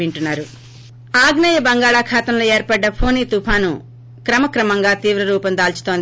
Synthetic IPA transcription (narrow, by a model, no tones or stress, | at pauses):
iɳʈunːaːɾu | aːɡnɐjɐbɐŋɡaːɭaːkʰaːt̪ɐmloːeːɾpɐɖːɐpʰoːniːt̪upʰaːnu | kɾɐmɐkɾɐmɐŋɡaːt̪iːʋɾɐɾuːpɐnd̪aːlt͡ʃu̥t̪oːnd̪